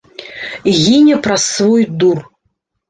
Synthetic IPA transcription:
ɣʲinʲɐpɾɐsːvɔjd̪ur

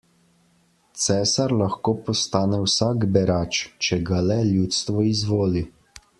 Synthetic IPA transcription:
t̪sɛːsaɾlaxkoːpɔst̪aːnɛwsaːkbɛɾaːt͡ʃt͡ʃɛɡalɛljuːt̪st̪ʋɔizʋoːli

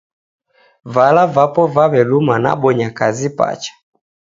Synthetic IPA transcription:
valavapɔvaβɛlumana̰ɓɔɲakazipa̰t͡ʃḁ

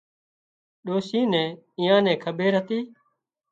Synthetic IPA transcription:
ɗoːsĩːnɛ̃ː | ĩːjãːnɛ̃ːkʰəɓeːɾɦət̪iː

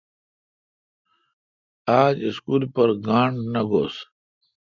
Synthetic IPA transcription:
aːd͡ʑiskuːlpɐɾɡaːɳɖnɐɡo̰ːs

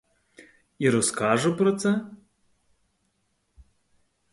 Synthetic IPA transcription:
iɾɔskɑʒʊpɾɔt̪sɛ

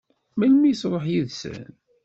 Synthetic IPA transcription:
mælmijsɾˤəħjiðsə̰n

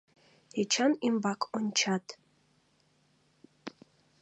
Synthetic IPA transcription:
hɛt͡ʃʰanimbakʰʼɔnʲt͡ʃʰat̪ʰʼ

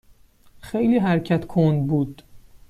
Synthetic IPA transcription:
xejliːɦæɾcʰæt̪kʰond̪buːd̪̥

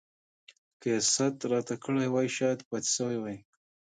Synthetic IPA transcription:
kesat̪ɾɑt̪akəɽajwɑjʃɑjad̪pɑt̪sawajwaj

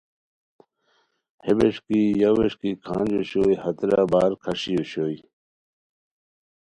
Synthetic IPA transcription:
hebeʂkijɐweʂkikʰã̰ːnd͡ʑuɕoːjhɐt̪ɾaːbaːɾkʰɐɕijuɕoːj

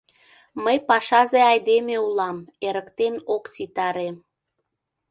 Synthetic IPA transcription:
məjpɑʃɑzeɑjd̪emeulɑmeɾəkt̪enokt͡sit̪ɑɾe

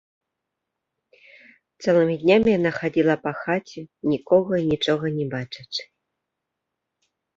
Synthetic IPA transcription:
t̪sɛlˠɨmʲid̪ʲnʲamʲijanaxad͡zʲilˠɐpɐxat͡sʲɛnʲikɔɣɐinʲit͡ʂɔɣɐnʲɛbat͡ʂɨt͡ʂɨ̥

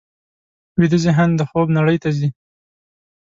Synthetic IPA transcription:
wid̪əzeɦand̪əxobnaɽəjt̪azi

